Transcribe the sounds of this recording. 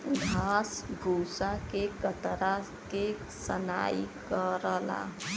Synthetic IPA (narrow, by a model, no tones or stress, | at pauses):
ɡʱasbʱusakekət̪ɾa | ke | səna̰jkəɾəla̰